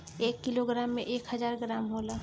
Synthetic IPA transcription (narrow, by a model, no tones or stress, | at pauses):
eːkːɪloɡɾaːmːẽʔeːkhəzaːɾɡɾaːmɦoːlaː